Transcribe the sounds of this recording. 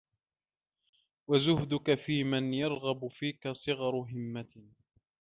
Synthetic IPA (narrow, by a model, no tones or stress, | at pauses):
wazʊhd̪ʊkafiːmanjɑɾˤɣɑbʊfiːkasˤɨɣɑɾˤʊɦɪmːat̪